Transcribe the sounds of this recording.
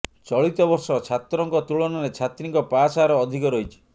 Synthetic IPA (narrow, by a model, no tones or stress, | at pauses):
t͡ʃɔɭit̪ɔbɔɾsɔt͡ʃʰat̪ɾɔŋkɔt̪uɭɔnɔɾet͡ʃʰat̪ɾiŋkɔpasaɾɔːd̪ʱikɔɾɔɦit͡ʃʰi̥